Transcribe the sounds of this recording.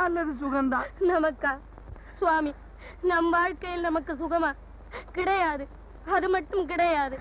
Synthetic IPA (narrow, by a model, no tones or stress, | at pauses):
ɐnːɐðɯsʊɣɐnd̪ãːnɐmɐkːaː | sʊʋaːmi | nɐmʋaːɻkɐjɪlnɐmɐkːɯsʊɣɐmaː | kɪɽɐjaːðɯ | ɐðɯmɐʈːɯmk̬ɪɽɐjaːðɯ